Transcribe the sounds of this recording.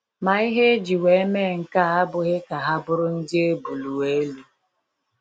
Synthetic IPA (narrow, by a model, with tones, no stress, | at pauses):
ma˨i˦ɦe˦e˦d͡ʒi˨we˨e˦me˦˨ŋ̩˨ka˦˨ɦa˦bʊ˨ɣɪ˦ka˨ɦa˦bʊ˦ɾʊ˦n̩˦dɪ˦e˦bu˨lu˨e˦lu˦